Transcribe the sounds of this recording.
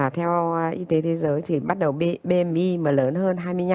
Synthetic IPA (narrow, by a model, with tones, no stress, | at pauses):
a˨˩t̪ʰɛ˧wʔi˧t̪e˨˦t̪ʰe˨˦zəː˨˦jt̪ʰi˨˩ɓa˦˥t̚ɗə˨˩wɓe˧mʔi˧məː˨˩ləː˨˦nɦəː˧nɦaː˧jmɨ˧əjɲa˧